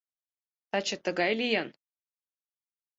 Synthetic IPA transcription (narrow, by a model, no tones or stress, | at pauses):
t̪ɑt͡ɕɤ̆t̪ɤ̆ɡɑjlʲijɑn